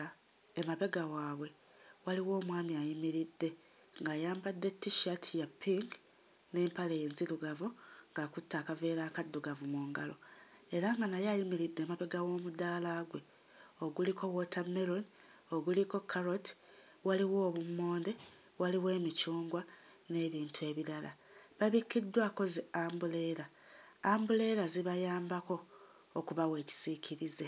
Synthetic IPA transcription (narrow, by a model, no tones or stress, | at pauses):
emaβe̞ɡawaːβwe̞ | waliwo̞ːmwaːmiajimiɾidːe̞ | ŋɡajaːmbadːe̞tːiʃatʰijapʰːiŋɡ | neːmpalejenziɾuɡavuŋɡakutːaːkave̞ːɾaːkad̪ːuɡavumuːŋɡa̰lo̞e̞ɾaŋɡanajajimiɾidːe̞maβe̞ɡawo̞ːmudaːlaːɡwe̞ | oɡulikʰo̞wotʰameɾoni | o̞ɡuliko̞kʰːaɾoti̥ | waliwo̞ːβumːo̞ːnde̞ | waliwe̞ːmicuːŋɡwane̞ːβiːntue̞ːβiɾala | βaβikːidːwaːko̞zeaːmbule̞ɾa | aːmbule̞ːɾaziβajaːmbako̞ː | kuβawe̞ːci̥sicʰiɾize